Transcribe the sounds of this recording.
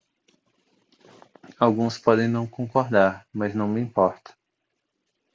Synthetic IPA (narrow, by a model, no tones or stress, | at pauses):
awɡũspɔd̪ẽj̃nɐ̃w̃kõŋkoɾd̪aɾmɐznɐ̃w̃mɪĩpɔɾt̪ɐ̥